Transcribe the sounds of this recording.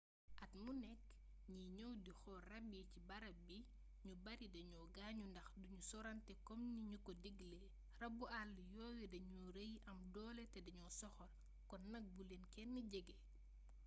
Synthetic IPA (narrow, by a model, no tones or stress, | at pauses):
ʔɐtmunɛkː | ɲiɲɔwdixɔrɐbicibɐɾɐbi | ɲubɐɾidɐɲɔːɡaːɲundɐxduɲusɔɾɐntɛkɔmniɲukɔdiɡlɛ | rɐbualːjɔːwɛdɐɲuɾejʔɐmdɔːlɛtɛdɐɲɔsɔxɔl | kɔnːɐk̚bulenkɛnːɐɟɛɡɛ